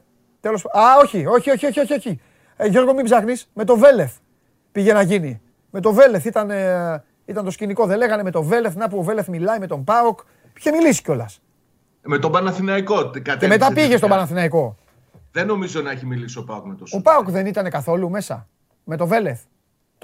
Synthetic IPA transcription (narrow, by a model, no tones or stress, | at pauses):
t̪elosao̞çio̞çio̞çio̞çio̞çio̞çi | ʝo̞ɾɣo̞mibzɐxnisme̞t̪o̞ve̞le̞θ | piʝe̞nɐʝini | me̞t̪o̞ve̞le̞θit̪ɐne | it̪ɐnt̪osciniko̞ðe̞le̞ɣɐne̞me̞t̪o̞ve̞le̞θnɐp̬uove̞le̞θmilɐime̞t̪o̞mbɐok | i̥çe̞milisi̥co̞lɐs | me̞t̪obɐnɐθinɐiko̞t̪kɐt̪emet̪ɐpiʝe̞st̪obɐnɐθinɐiko̞ | ðeno̞mizonɐeçimilisiopɐokmet̪osopɐokðe̞nit̪ɐne̞kɐθo̞lume̞sɐ̰ | me̞t̪ove̞le̞θ | t̪